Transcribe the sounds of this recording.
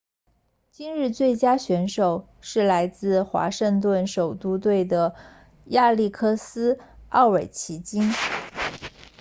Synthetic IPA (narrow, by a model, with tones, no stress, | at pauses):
t͡ɕi˥nɻɻ̩˥˧t͡swe˥˩ɪt͡ɕja˥ɕɥɛ˧˥nʂo˨˩ʊ | ʂɻ̩˥˩la˧˥ɪt͡sɹ̩˥˩xwa̰˧˥ʂə˥˧ŋt̪wə˥˩nʂo˨˩ʊt̪u˥t̪we˥˩ɪd̪ə˩ | ja˥˧li˥˩kʰɤ˥˩sɹ̩˥ɑ˥˩ʊwe˨˩ɪt͡ɕʰi˧˥t͡ɕi˥n